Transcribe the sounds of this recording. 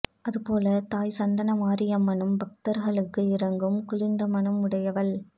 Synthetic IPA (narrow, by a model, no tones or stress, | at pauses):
ʔɐðɯpoːlɐt̪aːjsɐnd̪ɐnɐmaːɾɪjɐmːɐɳɯmbɐk̚t̪ɐɾɣɐɭɯkːɯɪɾɐŋɡɯmkʊlɪnd̪ɐmɐɳɐmʊɽɐjɐʋɐl